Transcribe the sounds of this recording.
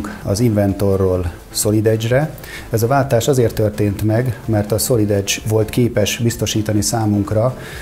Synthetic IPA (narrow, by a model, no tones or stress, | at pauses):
ŋkɒ̰ziɱvɛnt̪o̞rːoːl | so̞lid̪ɛd͡ʒrɛ | ɛzɒvaːlt̪aːʃɒzeːrt̪ːørt̪eːnt̪mɛɡmɛrt̪ɒso̞lid̪ɛd͡ʒʋo̞lt̪keːpɛʃbist̪o̞ʃiːt̪ɒnisaːmuŋkrɒ